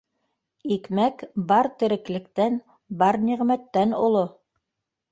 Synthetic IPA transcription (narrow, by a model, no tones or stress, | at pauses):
ikmækbɑɾt̪ɘ̆ɾɘ̆klɘ̆kt̪æn | bɑɾniʁmæt̪ːænolˠo